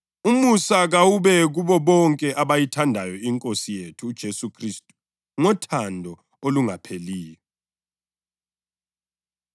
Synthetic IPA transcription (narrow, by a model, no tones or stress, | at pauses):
umusaɣawuβɛɣuβɔβɔŋkʼɛʔaβajitʰandʱajɔiŋkʼosijetʰuːd̥ʒ̥ʱesukʰristʼu̥ | ŋɔtʰandʱɔ | oluŋapʰeliːjɔ